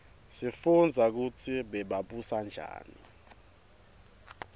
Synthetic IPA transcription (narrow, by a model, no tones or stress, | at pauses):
sifund͡zʱak̬ut͡sʰiɓɛɓaɓusand͡ʒʱa̰ːni